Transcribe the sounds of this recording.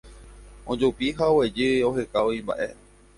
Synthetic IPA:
õd͡ʒopiɦaowed͡ʒɨo̞ɦekaoĩmba̰ʔe̞̰

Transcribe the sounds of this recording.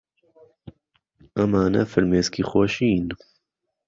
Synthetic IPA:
ɐmaːnɐ̰fɨɾmeːskiːxɔʃiːn

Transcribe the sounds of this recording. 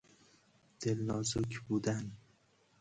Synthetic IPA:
d̪̥elːɒzʊkʲʰbud̪an

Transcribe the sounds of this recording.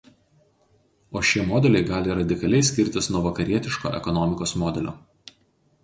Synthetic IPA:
oːʃʲiɛmɔːd̪ʲɛlʲɛɪɡɑːlʲɪɾɐd̪ʲɪkɐlʲɛɪsʲkʲɪɾʲt̪ʲɪsnuɔʋɐkɐɾʲiɛt̪ʲɪʃko̰ːʔɛ̰kɔnɔmʲɪkoːsmɔːd̪ʲɛlʲo̰ː

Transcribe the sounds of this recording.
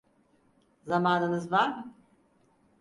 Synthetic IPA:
zamaːnɯnɯzvaɾ

